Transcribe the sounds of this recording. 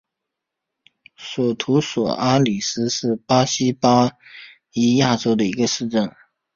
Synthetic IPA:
swɔ˨˩t̪ʰu˧˥swɔ̰˨˩ʔa˥li˨˩sɹ̩˥ʂɻ̩˥˩pa˥ɕi˥pa˥ | i˧˥ja˥˩ʈ͡ʂo˥ʊd̪ə˨i˧˥ɡə˧ʂɻ̩˥˧ʈ͡ʂə˥˩n

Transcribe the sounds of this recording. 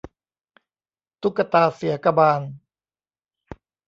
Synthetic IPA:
t̪u˦˥kːa˧t̪aː˧si˨˦ɐka˧baː˧n

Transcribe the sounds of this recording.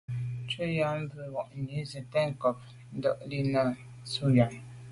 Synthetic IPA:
t͡ʃə˦ja˨˦m̩˦bə˨wɔ˨ʔni˨˦zi˨tɛ˦ŋ̩˨kɔ˨p̚ | n̩˦dɔ̰˦˨ʔli˦na˨ | su˦ja˨

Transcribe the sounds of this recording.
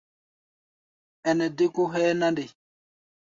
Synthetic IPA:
ɛ˨nɛ˨de˦ku˦ɦɛː˦na˦ndi˨

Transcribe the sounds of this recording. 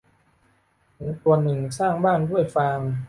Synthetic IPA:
nu˩˦ŋt̪u˧ənɯ˨˩ŋsaː˥˩ŋbaː˥˩ndu˥˩əjfaː˧ŋ

